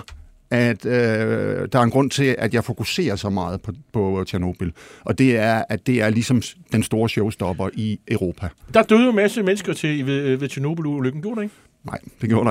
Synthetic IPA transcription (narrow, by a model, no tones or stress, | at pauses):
æd̥ød̥ɑ̈æɐenɡ̥ʁɔ̽n̰t͡sʰe̝læd̥jɑ̈ɪfo̝kuse̝̰ːɐsɒ̽mɑ̈ːð̩ˠpʰɒ̽pʰɒ̽t͡sʰeɐno̝b̥il̩ʔɒ̽d̥e̝æɐæd̥e̝æɐlisɒ̽md̥ensd̥o̝ːɐɕɔʊsd̥ɒ̽b̥ɐʔiʔəʊʁo̝ːpʰæd̥ɑ̈d̥øð̩ˠjomæsəmenəsɡ̥ɐt͡sʰe̝ʋeʋeðˠt͡sʰiɐno̝b̥l̩uløɡ̥n̩ɡjo̝̰ɾeeɡ | nɑ̈ɪd̥eɡjo̝̰ɐ̰ɾ̥